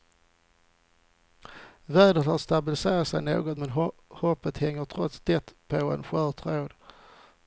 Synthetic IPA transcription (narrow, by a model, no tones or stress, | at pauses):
væːɖət̪hɑst̪abɪlɪseːɾat̪sɛɪno̰ːɡɔt̪mɛnhɔpːət̪hɛŋːəʈʰɾɔt̪sd̪̥ɛt̪pʰɔɛ̰nɧœːt̪ʰɾoːd̪